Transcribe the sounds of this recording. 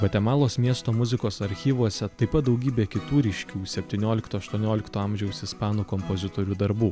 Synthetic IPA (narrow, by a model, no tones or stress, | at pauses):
bɐt̪ʲɛmɑːlˠoːsmʲiɛst̪oːmʊzʲɪkoːsɐɾʲxʲiːʋuɔsʲɛt̪ɐɪpɐt̪̚d̪ɒʊɡʲiːbʲeːkʲɪt̪uːɾʲiʃʲkʲuːsʲɛpʲt̪ʲiːnʲoːlʲɪkt̪uːɐʃt̪uɔnʲoːlʲɪkt̪oːɑˑmʲʒʲɛʊsɪspɑːnuːkɔmpɔzʲɪt̪oːɾʲuːd̪ɐɾbuː